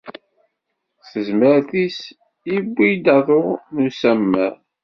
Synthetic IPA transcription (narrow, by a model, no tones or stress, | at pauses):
səzməɾθis | ibːijd̪ɑðˤonusæmːæ